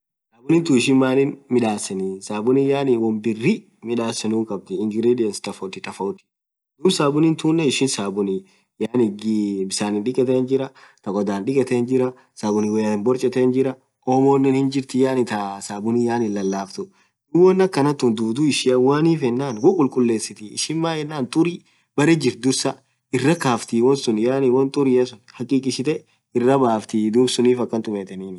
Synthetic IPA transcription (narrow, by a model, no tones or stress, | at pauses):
saːbʊnɪnt̪uɪʃɪnmaːnɪnmɪᶑaːsɛnisaːbʊnɪjaːnɪwɔmbɪrːɪ | mɪᶑaːsɛnʊːŋkʼɐb̚t̪ɪɪŋɡɪɾid̪ɪjɛnst̪ɐfɔt̪ːɪt̪ɐfɐt̪ɪ̥ | d̪ʊmsaːbʊnɪnt̪uːnːɐɪʃɪnsaːbʊnɪ | jaːnɪɡbɪsaːnɪnᶑɪkʼɛt̪ɛnd͡ʒɪɾɐt̪ɐkɔd̪aːnᶑɪkʼɛt̪end͡ʒɪɾɐ | saːbʊnɪwɛjaɪnbɔɾt͡ʃʼɛt̪eːnd͡ʒɪɾɐ | ʔoːmoːnːɛnhɪnd͡ʒɪɾt̪ɪjaːnɪt̪ɐsaːbʊnijaːnɪnːɐlːaːft̪ʊ | ɪwɔnːɐkːɐnɐt̪ːʊnd̪uːd̪uɪʃɪɐwaːniːfɛnːaːnwʊkʼʊlkʼʊlːe̞ːsɪt̪ɪɪ̰ʃɪmːaːɛnːaːnt̪ʼʊɾi | b̥ɐɾed͡ʒɪɾ̚d̪ʊsɐ | ɪrːɐkaːft̪iwɔnsʊnjaːnɪwɔnt̪ʼʊɾɪjɐsʊnhɐkʼiːkʼɪʃɪt̪ɛ | ɪrːɐbaːft̪ɪd̪uːbsʊniːfɐkːɐnt̪ʊmɛːt̪ɛniːn